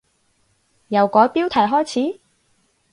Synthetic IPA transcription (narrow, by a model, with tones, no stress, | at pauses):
jɐ˨˩wkɔː˨˥jpiː˥wt̪ʰɐ˨˩jɦɔː˥jt͡sʰiː˨˥